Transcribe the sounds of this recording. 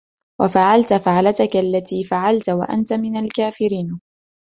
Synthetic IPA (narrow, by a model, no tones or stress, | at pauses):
wʔafaʕalt̪faʕlat̪akaalːat̪iːfaʕalt̪wa̰ʔa̰nt̪amɪnalkaːfɪɾiːn